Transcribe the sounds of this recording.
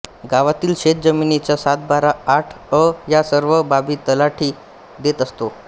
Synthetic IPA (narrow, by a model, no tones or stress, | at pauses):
ɡaʋat̪iːlɕet̪̚d͡zəminit͡ɕjasat̪̚baɾaːʈʰ | əjasəɾʋəbabiːt̪əlaʈʰiː | d̪et̪əst̪o